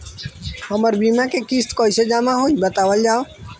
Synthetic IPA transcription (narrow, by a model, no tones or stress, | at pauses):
həməɾbiːmãːkeːkiːst̪koːised͡ʒaːmãːɦoːiːɓət̪aːʋəld͡ʒaːo